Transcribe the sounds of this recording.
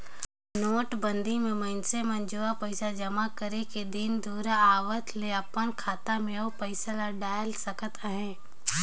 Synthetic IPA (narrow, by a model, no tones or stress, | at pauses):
noːʈbə̃nd̪ʱimẽməɪnsemɐnd͡ʒuːapəɪsad͡ʒɐmakəɾeked̪ɪnd̪uːɾaaːʋət̪ʰleɐpːənkʰaːt̪amẽopəɪsalaɖaːɪlsəkət̪ʰaɦɛ̃ː